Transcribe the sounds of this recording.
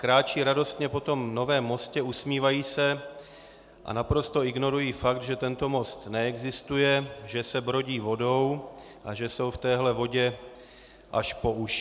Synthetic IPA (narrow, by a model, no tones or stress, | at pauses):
kɾaːt͡ʃiːɾado̞st̪ɲɛpo̞t̪o̞mno̞vɛːmːo̞scɛusmiːvajiːsɛ | ʔa̰napɾo̞st̪o̞ɪɡno̞ɾujiːfak̚t̪ʒɛt̪ɛnt̪o̞mo̞st̪nɛɛɡzɪst̪ujɛʒɛsɛbɾoɟiːvo̞do̞w | ʔaʒɛso̞wft̪ɛːɦlɛvo̞ɟɛ | ʔaʃpo̞uʃ